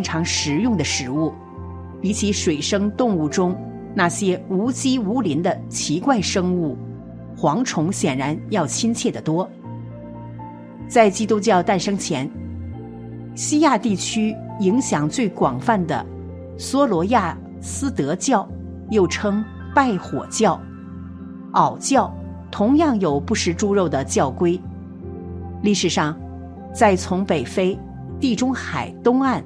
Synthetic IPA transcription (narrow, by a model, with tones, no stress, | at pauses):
i˥ŋʈ͡ʂʰɑ˧˥ŋʂɻ̩˧˥jʊ˥˩ŋd̪ə˩ʂɻ̩˧˥u˥˩ | pi˧˥t͡ɕʰi˧˥ʂwe˨˩ɪʂɤ˥ŋt̪ʊ˥˧ŋu˥˩ʈ͡ʂʊ˥ŋ | na˥˩ɕjɛ˥u˧˥t͡ɕi˥u˧˥li˧˥nd̪ə˧t͡ɕʰi˧˥kwa˥˩ɪʂɤ˥ŋu˥˩ | xwɑ˧˥ŋʈ͡ʂʰʊ˧˥ŋɕjɛ˨˩nɻa˧˥njɑ˥˩ʊt͡ɕʰi˥nt͡ɕʰjɛ˥˩d̪ə˩t̪wɔ˥ | t͡sa˥˧˩ɪt͡ɕi˥t̪u˥t͡ɕjɑ˥˧ʊt̪a˥˩nʂɤ˥ŋt͡ɕʰjɛ˧˥n | ɕi˥ja˥˧t̪i˥˩t͡ɕʰy˥ | i˧˥ŋɕjɑ˨˩ŋt͡swe˥˩ɪkwɑ˨˩ŋfa˥˩nd̪ə̰˩ | swɔ˥lwɔ˧˥ja˥˩ | sɹ̩˥t̪ɤ˧˥t͡ɕjɑ˥˩ʊ | jo˥˩ʊʈ͡ʂʰɤ˥ŋ | pa˥˩ɪxwɔ̰˨˩t͡ɕjɑ˥˩ʊ | ɑ˨˩ʊt͡ɕjɑ˥˩ʊ | t̪ʰʊ˧˥ŋjɑ˥˩ŋjo˨˩ʊpu˥˩ʂɻ̩˧˥ʈ͡ʂu˥ɻo˥˩ʊd̪ə˩t͡ɕjɑ˥˩ʊkwe˥ɪ | li˥˩ʂɻ̩˨˩ʂɑ˥˩ŋ | t͡sa˥˩ɪt͡sʰʊ˧˥ŋpe˨˩ɪfe˥ɪ | t̪i˥˩ʈ͡ʂʊ˥ŋxa˨˩ɪt̪ʊ˥ŋa˥˩n